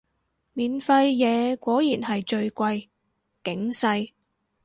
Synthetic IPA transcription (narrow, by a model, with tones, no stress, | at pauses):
miː˨nfɐ˧jjɛː˨˧kʷɔː˨˥jiː˨˩nhɐ˨jt͡ʃɵ˧ɥkʷɐ˧j | kɪ˨˥ŋsɐ˧j